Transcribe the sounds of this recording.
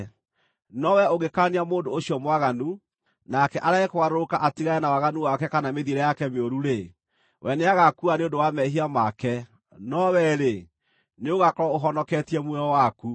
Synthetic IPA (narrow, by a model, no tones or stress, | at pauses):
nɔwɛoɣekaniamoːndoːɕiɔmwaɣanu | nakɛʔaɾaɣekoɣaɾoɾokaʔatiɣaɛnawaɣanuwakɛkanameðiɾɛjakɛmeoɾuɾe | wʔɛneaɣakuaneondowamɛɦiamakɛ | nɔwɛɾe | neoɣakɔɾɔoɦɔnɔkɛtiɛmwɛɔwaku